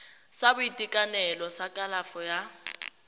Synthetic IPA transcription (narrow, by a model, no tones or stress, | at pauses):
sabʊitʼikʼanɛlɔsakʼalafɔja